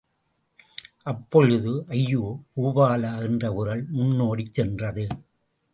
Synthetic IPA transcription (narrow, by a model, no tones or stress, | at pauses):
ʔɐpːɔɻɯðɯʔɐjːuːkuːʋaːlaːɛndrɐʊɾɐɭmʊnːoːɽit͡ʃsːɛndrɐðɯ